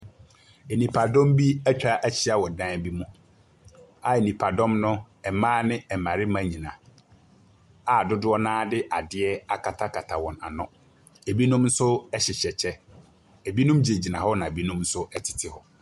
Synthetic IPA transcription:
e˨nĩ˨pʰa˨dɔ̃˦mbi˦æ˦t͡ɕᶣa˦ʔæ˦t͡ɕʰi˦a˨wɔ˨dã˦˨bi˦mũ˦ | a˨e˨nĩ˨pʰa˨dɔ̃˦mnʊ̃˦ | ɛ˨mãː˦nɪ̃˦ɛ˨mã˨ɾɪ˦mã˦ɲĩ˨nã̰˨ | a˨dʊ˦dʊ˦ɔ˦nãː˦dɪ˦ʔa˨dɪ˦ɛ˦a˨kʰa˨tʰa˦kʰa˨tʰa˨wɔ̃˨na̰˨nʊ̰̃˦ | e˨bi˦nũ˦mn̩˦sʊ˦ɛ˦ɕɪ˨ɕɛ˨t͡ɕʰɛ˦ | e˨bi˦nũ˦md͡ʑe˨d͡ʑi˨nã˨hɔ˦nã˨e˨bi˦nũ˦mn̩˦sʊ˦ɛ˦tʰɪ̥˨tʰɪ˦hɔ˨

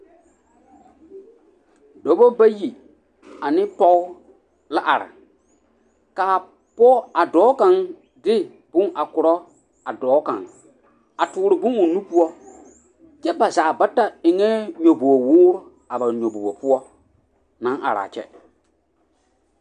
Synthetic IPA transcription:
do˨bo˦ba˦ji˨ | a˨nɪ̃˦pɔ˦ʊ˦ | la˦ʔa˨ɾa̰˨ | kaː˨ | pɔ˦a˨dɔː˨˦ka˨ŋ | dɪ˦ | b̥ʊ˦a˨kʊ˨ɾɔ˦ | a˨dɔː˨˦kã̰˨ŋ | a˨tuː˨ɾɪ˨bʊ˦ʊ˨nũ˦pu˦ɔ˦ | t͡ʃɛ˦ba˨za˨ba˦ta˦ɪ˨ŋɛ˦ɲo˨bu˨bo˨wʊː˦ɾʊ˦ | a˨ba˨ɲo˨bu˨bo˨pʊ˦ɔ˦ | nã˨˦ʔa̰˨ɾa̰ː˨t͡ʃɛ̰˦

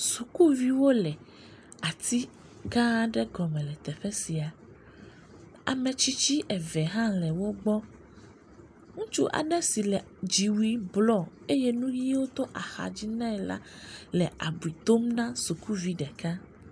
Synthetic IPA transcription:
su˨ku˦vi˦wo˦lɛ˨ | a˨t̪i˦ | ɡã˦ɖɛ˦ɡɔ˨mɛ̃˨lɛ˨t̪ɛ˨ɸɛ˦si˨a˨ | a̰˨mɛ̃˨t͡ɕi˦t͡ɕi˦ʔɛ˨vɛ˨ɦã˦lɛ˨wo˦ɡ͡bɔ˦ | ŋũ˦t͡ʃu˦ʔa̰˨nɛ̃˦si˨lɛ˨ | d͡ʒi˨wi˦blɔ˦˨ | e˦je˦nũ˦ji˦wo˦t̪o˦ʔa˨xa̰˨d͡ʑi˦nã˦ɛ˨la̰˦lɛ˨ʔa̰˨bu˨i˨t̪o˦mnã˦su˨ku˦vi˦ɖɛ˨ka˦

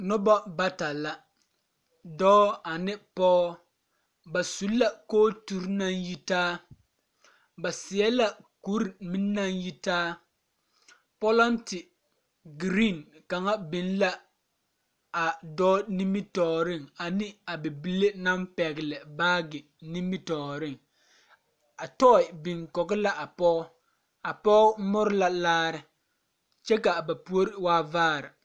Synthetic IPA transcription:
nɔ˦ba˦ba˦ta˨la˨ | dɔː˦a˨nɪ˦pɔː˦ | ba˨su˨lːa˨koː˦tu˦ɾna˦nji˦taː˦ | ba˨sɪ˨ɛ˦la˦ku˦ɾi˨mi˦nː˦a˦nji˦taː˦ | pɔ˦lɔ˦ntɪ˨ | ɡɾi˦˨nka˨ŋa˦bɪ˨n˦la˦ | a˨dɔː˦ni˦mi˦tɔː˨ɾɪ˦˨ŋa˨nɪ˦a˨bɪ˨bi˦le˦na˦mpɛ˨ɡɪ˨lɪ˨baː˦ɡɪ˨ | ni˦mːi˦tɔː˨ɾɪ˦˨ŋ | a˨tɔ˦ɪ˨bi˨ŋkɔ˨ɡɪ˦la˦ʔa˨pɔ˦ | a˨pɔ˦mʊ˦ɾɪ˦la˦laː˦ɾɪ˨ | t͡ʃɛ˦ka˨ba˨pu˦o˦ɾɪ˦waː˦vaː˦˨ɾɪ˨

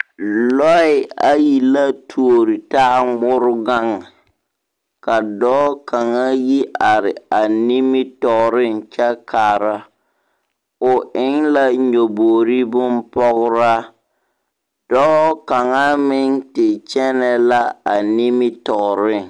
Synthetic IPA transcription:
lɔ˦ɪ˨a˦˨ji˨la˦tʰu˨o˨ɾi˨taː˦mʊ˦ɾʊ˦ɡa˦ŋa˨ | ka˨dɔː˦ka˨ŋa˦ji˦ʔa˨ɾɪ˨a˨ni˦mɪ˦tɔ˨ɾɪ˦ŋt͡ʃɛ˦kʰa˨ɾa˦ | ʊ˨ʔɪ˦ŋla˦ɲo˨boː˨ɾi˦bʊ˦mpɔ˦ɣʊ˦ɾa˦ | d̥ɔː˦ka˨ŋa˦mɪ˦ŋtɪ˨t͡ʃɛ˦nɛ˦la˦a˨ni˦mɪ˦tɔ˨ɾɪ˦˨ŋ

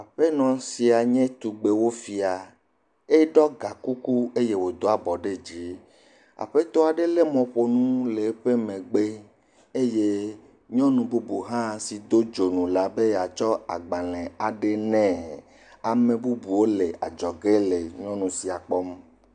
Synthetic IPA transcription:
a˨ɸe˦nɔ̃˨si˨a˨ɲɛ̃˦t̪u˨ɡ͡be˨wo˦fi˨a˨ | e˦ɖɔ˦ɡa˨ku˦ku˦e˦je˦wo˨d̪o˦a˨bɔ˨ɖe˦d͡ʑi˨˦ | a̰˨ɸe˦t̪ɔ˦a˨ɖe˦le˦mɔ̃˨ɸo˨nũ˦le˨˦ɸe˦mẽ˨ɡ͡be˦ | e˦je˦ | ɲɔ̃˦nũ˨bu˦bu˨ɦã˦˨si˨d̪o˦d͡ʒo˨nũ˨la˨be˦ja˨t͡ʃɔ˦a˨ɡ͡ba˨lɛ̃˨a˨ɖe˦nɛ̃˦˨ | a˨mẽ˨bu˦bu˨wo˦le˨a̰˨d͡ʒɔ˨ɡe˦le˨ɲɔ̃˦nũ˨si˨a˨k͡pɔ˦m

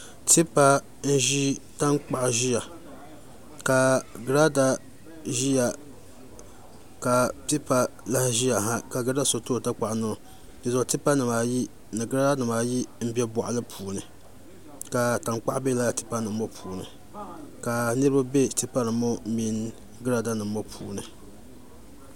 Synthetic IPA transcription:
tʰi˦pa˦ | n̩˦ʒi˦ta˦ŋk͡pa˨ʔʒi˦ja˨ | ka˨ɡɾa˦da˦ | ʒi˦ja˨ | ka˨pi˦pa˦la˦hʒi˦ja˨ɦa˦ka˨ɡɾa˦da˦so˨to˦˨ta˦k͡pa˨ʔnɨ˦˨ | dɨ˨zɔ˨ti˦pa˦nɨ˨maː˨ji˦ | nɨ˨ɡɨ˦ɾa˦da˦nɨ˨maː˨ji˦m̩˦bi˦ɛ˦bɔ˨ʔlɨ˦pʰuː˨nɨ˨ | ka˨ta˨ŋk͡pa˦ʔbe˦la˦a˨ti˦pa˦nɨ˨mː˦ɔ˦pʰuː˨nɨ̰˨ | ka˨nɨ˦ɾɨ˦ba˦be˦ti˦pa˦nɨ˨˦mːɔ˦mi˦n | ɡɨ˦ɾa˦da˦nɨ˨mː˦o˦pʰuː˨nɨ˨

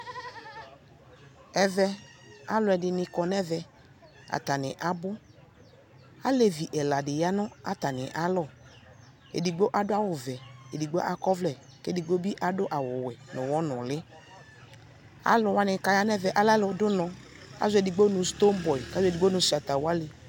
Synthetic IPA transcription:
ɛ˨vɛ˦ | a˦lʊ˨˦ɛ˨dɪ˨nɪ̃˨kɔ˨nɛ˦vɛ˨ | a̰˨t̪a˨nɪ˨ʔa˨bʊ˦ | a˦le˨vi˨ʔɛ˨la˨dɪ˨ja˦nʊ̃˦a˨t̪a˨nɪ˨ʔa˦lɔ˦˨ | ḛ˨di˨ɡ͡bo˦ʔa˦dʊ˦a˦wʊ˨vɛ˨e˨di˨ɡ͡bo˦ʔa˨kɔ˦vlɛ˨ | ke˦di˨ɡ͡bo˦bi˦ʔa˨dʊ˦ʔa˨wʊ˨wɛ˨nʊ̃˨wɔ˦nʊ̃˨lɪ˦ | a̰˦lʊ˨wa˦nɪ˨ka˨ja˦nɛ˦vɛ˨ʔa˦la˦lʊ˨dʊ˦nɔ̃˨ | ka̰˦zʊ˦ɛ˨dɪ˨ɡ͡bo˦nʊ̃˨st̪o˦m˦bɔ˨i˨ka˨˦ze˨di˨ɡ͡bo˦nʊ̃˨˦sa˨t̪a˨wa˦le˨

